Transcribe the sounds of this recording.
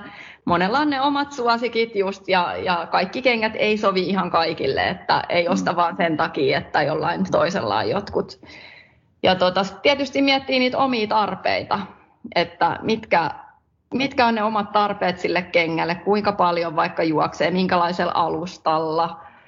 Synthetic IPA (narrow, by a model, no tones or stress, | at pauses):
monelːɑonneomɑt̪suɑsikit̪just̪jɑjɑkɑikːikeŋːæt̪eisoʋiihɑŋkɑikilːḛḛt̪ːæ̰eiost̪ɑʋʋɑːnsent̪ɑkiːet̪ːæjolːɑint̪o̰isḛlːɑ̰ːjjot̪kut̪ | jɑt̪ot̪ɑsi̥t̪iæt̪yst̪imiɛt̪ːiːniːt̪omiːt̪ɑrpḛit̪ɑ | ʔet̪ːæ̰mit̪kæ | mit̪kæonneomɑt̪t̪ɑrpeːt̪silːekkeŋːælːekkuiŋkɑpɑljoʋʋɑikːɑjuɔkseːmiŋkælɑiselʔɑlust̪ɑlːɑ